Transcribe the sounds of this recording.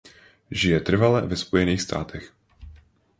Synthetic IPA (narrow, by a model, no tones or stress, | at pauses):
ʒɪjɛt̪r̩valɛvɛspojɛniːxst̪ʰa̰ːt̪ʰɛx